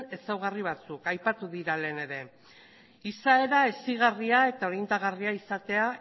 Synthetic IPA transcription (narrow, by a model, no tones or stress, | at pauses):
e̞sawɣ̞ariβ̞at͡sukajpat̪uðiɾale̞ːne̞ɾe̞ | isae̞ɾaesiɣariae̞t̪ao̞ɾind̪aɣ̞ariaisat̪e̞a